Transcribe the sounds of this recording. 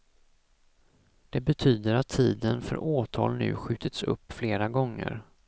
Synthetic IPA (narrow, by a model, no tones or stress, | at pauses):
d̪̥ɛbɛt̪ʰyːd̪əɾat̪ʰːiːd̪ənfœ̰ɾʔoːt̪ʰɑːlnʉ̟ːɧʉ̟ːt̪ət̪sɵ̰pːfleːɾaɡɔŋːə̰ɾ